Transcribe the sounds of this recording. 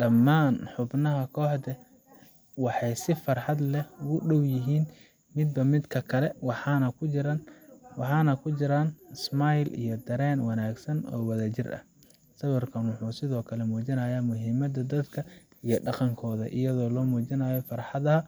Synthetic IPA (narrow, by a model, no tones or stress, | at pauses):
ɖɐmːaːnħʊbnɐɦɐkʰɔːħd̪ɛ | wɑħɑjsɪfɐrħɑd̪lɛʊɣʊɖɔwjɪɦiːn | mɪd̪̚bɐmɪd̪kʰɐkʰɐlɛwɑħɑːnɐkʰʊt͡ʃɪɾɐnwɑħɑːnɐkʰʊt͡ʃɪɾaːnɪsmajlʔḭjɔd̪ɐɾɛːnwɑnaːɡsɐnɔ̰ːwɐðaːt͡ʃɪrʔɐ̰h | sɐβɐrkʰɐnwʊħuːsɪðɔːkʰɐlɛmuːt͡ʃɪnɐjaːmʊɦɪmɐd̪ɐd̪ɐd̪kʰɐ | ijɔɖɑqɑŋkʰɔːðɐ̰ʔɪ̰jɐðɔːlɔːmuːt͡ʃɪnaːjɔfɑrħɑðɐɐ